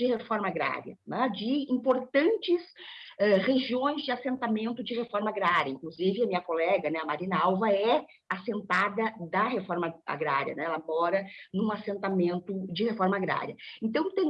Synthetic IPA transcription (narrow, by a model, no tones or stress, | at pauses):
d͡ʒɪhefɔɾmɐaɡɾa̰ɾjɐ̰nɛ̃d͡ʒɪĩmpoɾt̪ɐ̃nt͡ʃɪsɛʁeʒiõj̃zd͡ʒɪasẽnt̪amẽnt̪ʊd͡ʒɪhefɔɾmɐaɡɾaɾjɐĩŋkluzivɪɐmĩɲɐkolɛɡɐnɛɐmaɾinawvɐɛ | asẽnt̪ad̪ɐd̪ɐɦefɔɾmɐa̰ɡɾaɾjiɐ̰nɛ̰̃ɛlɐmɔɾɐnũasẽnt̪amẽnt̪ʊd͡ʒɪhefɔɾmɐaɡɾa̰ɾjɐẽnt̪ɐ̃w̃t̪ẽ